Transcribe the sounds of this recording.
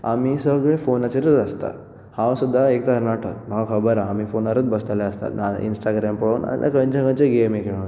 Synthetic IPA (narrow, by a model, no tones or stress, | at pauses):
amisəɡɭefonat͡ɕeɾət̪əst̪a̰ | hãʋsud̪ʱːaek̚t̪aəɾnaʈʰət̪m̤əɡakʰəbəɾaːmifonaɾət̪bəst̪alaəst̪a̰t̪naḭnsʈaɡɾampəɭoːna̰nḭlʔa̰kə̃ɲd͡ʑə̃ŋɡãɲt͡ɕeɡemekeɭ̃õ